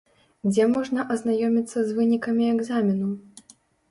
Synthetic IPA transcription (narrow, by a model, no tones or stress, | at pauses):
d͡zʲɛmɔʐnɐʔɐznajɔmʲit̪sːɐzvɨnʲikɐmʲiɛɡzamʲinu